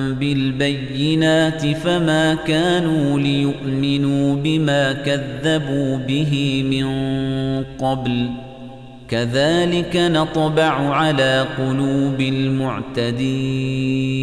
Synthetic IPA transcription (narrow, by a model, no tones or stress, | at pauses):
mbɪlbajːɪnaːt̪ɪfamaːkaːnuːlɪjʊʔmɪnuːbɪmaːkaðːabuːbɪɦɪmɪn | qɑbl | kaðaːlɪkanɑt̪ˤbɑʕʊʕalaːqʊluːbɪlmʊʕt̪ad̪iː